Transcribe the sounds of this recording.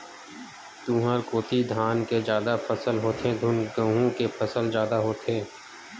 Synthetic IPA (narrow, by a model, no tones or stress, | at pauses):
t̪uɦəɾkoːt̪id̪ʱaːnked͡ʒjaːd̪afʰəsəlɦoːt̪ʰẽd̪ʱʊnɡəɦũkepʰəsəlzjaːd̪aɦoːt̪ʰeː